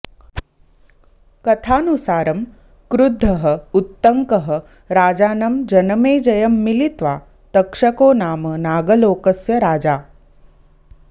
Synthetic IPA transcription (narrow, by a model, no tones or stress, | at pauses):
kɐt̪ʰaːnusaːɾɐm | kɾud̪ʱːɐɦɐ̆ut̪ːɐŋkɐɦɐ̆ | ɾaːd͡ʒaːnɐmd͡ʒɐnɐmeːd͡ʒɐjɐmːilit̪ʋaː | t̪ɐkʂɐkoːnaːmɐnaːɡɐloːkɐsjɐɾaːd͡ʒaː